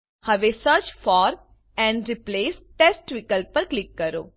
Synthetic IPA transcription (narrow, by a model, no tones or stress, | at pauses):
hɐʋesəɾt͡ʃfɔːɾ | ɛ̃ːɳɖɾɪpleːsʈeːsʈʋikəlpɐɾklɪkːɐɾo̰ː